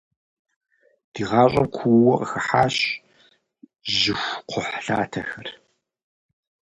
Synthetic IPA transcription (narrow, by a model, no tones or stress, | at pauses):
d̥iːʁɑːɕʼɐmkʷʰuwwɔqəxɐħaːɕ | ʒɪxʷqʷʰʊħɬaːtʰɐxɐr